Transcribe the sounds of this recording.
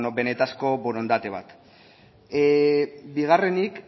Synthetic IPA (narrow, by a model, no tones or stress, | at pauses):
obe̞net̪asko̞boɾo̞nd̪at̪e̞β̞a̰t̪ | biɣ̞are̞nik